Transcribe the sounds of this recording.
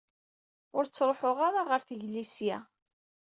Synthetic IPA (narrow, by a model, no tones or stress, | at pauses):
ʊɾt͡sːɾˤoħʊʁaɾaʁəɾθəʝlisjæ